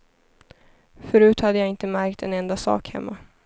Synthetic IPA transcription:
fœɾʉ̟ːt̪had̪ːəjaɪnt̪əmæɾkt̪ɛnɛnd̪asɑ̰ːkhɛ̰mːa

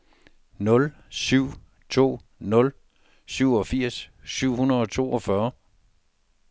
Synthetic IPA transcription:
nɔ̽l | syʊ̰ | t͡sʰo̝̰ː | nɔ̽l | syʊ̰ɒ̽fiɐ̰sːyʊ̰hunɐðˠɒ̽t͡sʰo̝̰ːɒfɶɐ

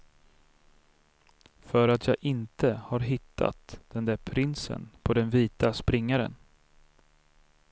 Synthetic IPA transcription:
fœɾat̪jɑːɡʔɪnt̪əhaɾɦɪt̪ʰːa̰t̪d̪̥ɛnd̪æːɾpʰɾɪnsə̰npʰɔd̪ɛnviːt̪aspɾɪŋːaɾə̰n

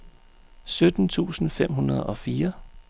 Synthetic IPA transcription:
sød̥n̩t͡sʰṵːsn̩fem̰ɦunɐð̞ˠɒ̽fiːɐ

